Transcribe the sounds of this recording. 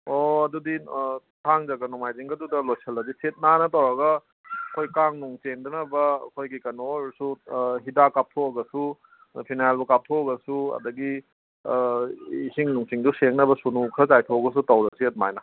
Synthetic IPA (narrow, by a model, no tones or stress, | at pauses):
oɐduditʰaŋzɐɡɐnɔmajziŋɡɐdudɐlojsʰɐlɐziset̚nanɐtɐwɾɐɡɐ | ɐkʰojkaŋnuŋt͡ʃeŋdɐnɐbɐɐ̰kʰojɡikɐnoɾsuɦidakap̚tʰoɐɡɐsu | pʰinajlbukap̚tʰoɡɐsuɐ̰dɐɡi | ihiŋnuŋt͡ʃiŋduseŋnɐbɐsunukʰɐzajtʰoɡɐs̬utɐwɾɐsiɐt̚ma̰jnɐ